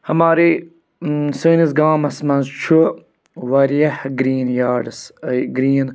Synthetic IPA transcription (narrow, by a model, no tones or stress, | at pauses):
hɐmaːɾi | səːnizɡaːmɐsmɐnzt͡ʃʰu | ʋɐɾiɐhɡɾiːnjaːɖsɡɾiːn